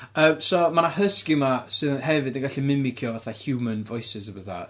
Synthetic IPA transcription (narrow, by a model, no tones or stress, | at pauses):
əːmsomanahəskimasɨðhɛvɨdənɡaɬimɪmɪkʰjɔvaθahjumənvɔjsɪsəbəða̰